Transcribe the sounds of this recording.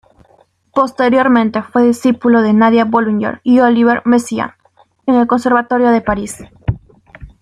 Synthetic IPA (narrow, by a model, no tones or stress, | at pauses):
po̞st̪eɾjo̞ɾmẽnt̪efweðisipulo̞ðenaðjaboluɲḛɾioliβeɾmesia̰n | enelko̞nse̞ɾβat̪o̞ɾjo̞ðe̞paɾis